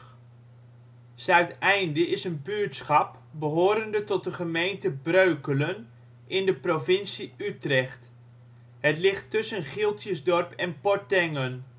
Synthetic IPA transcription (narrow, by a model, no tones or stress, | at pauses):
sɛɥtɛjndəɪsənbyːtsχɑp | bəɦoːɾəndətɔt̚dəχəmejntəbrøɥkələn | ʔɪndəprovɪnsiytrɛχt | ɦətlɪχtːɵsənχɪlˠtʰjəzdɔrpʰɛnpɔɹtɛŋən